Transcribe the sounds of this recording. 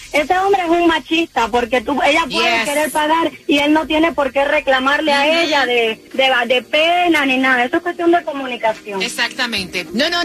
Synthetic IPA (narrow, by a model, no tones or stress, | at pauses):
e̞se̞o̞mbɾeesuŋmat͡ʃist̪apo̞ɾke̞t̪ue̞ʎapweðeke̞ɾe̞ɾpaɣaɾie̞lno̞t̪je̞ne̞po̞ɾke̞re̞klamaɾleae̞ʎaðed̪ead̪e̞penanĩnaðae̞soekwe̞st̪jo̞nd̪e̞ko̞mũnikasjo̞ŋesakt̪amẽnt̪enono